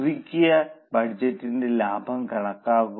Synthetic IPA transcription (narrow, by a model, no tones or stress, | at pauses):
rikʲːujɐbɐɽd͡ʑɐtːinde̞laːbʱɐmkɐɳɐkːaːɣu